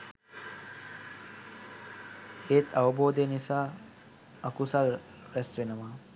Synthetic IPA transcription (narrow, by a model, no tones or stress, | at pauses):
eːt̪ʰaʋɐboːd̪ejnisaː | ɐkusal | ɾɛsʋenəʋaː